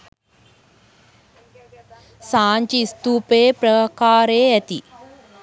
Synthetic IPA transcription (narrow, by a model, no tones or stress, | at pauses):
saːɲt͡ʃiːst̪uːpeːpɾɐəkaːɾeːæt̪i